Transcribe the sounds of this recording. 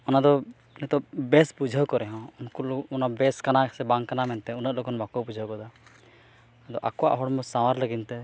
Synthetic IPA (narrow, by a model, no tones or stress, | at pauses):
ɔnad̪ɔ | nɛt̪ɔbɛspud͡ʒʱəwkɔɾɛɦɔ̃unkuɔnabɛskanasɛbaŋkanamɛnt̪ɛunəʔlɔkɔnbakɔbud͡ʒʱəwkɔd̪a | ad̪ɔʔa̰kɔwa̰ʔɦɔɽmɔsawaɾləɡint̪ɛ